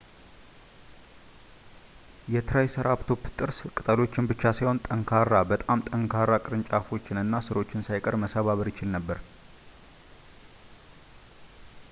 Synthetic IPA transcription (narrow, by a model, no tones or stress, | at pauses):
jɛt̪ʰɨɾajsɨɾaβt̪ʰo̞pːɨt̪ʼɨɾskʼɨt̪ʼəlo̞t͡ʃːɪnbɨt͡ʃːasajho̞nt̪ʼəŋkʰaɾːabət̪ʼamt̪ʼəŋkʰaɾːakʼɨɾɨnt͡ʃʼafo̞t͡ʃːɪnɨnːasɨɾo̞t͡ʃːɪnsajkʼəɾməsaβaβəɾjɪt͡ʃɪlnəbːəɾ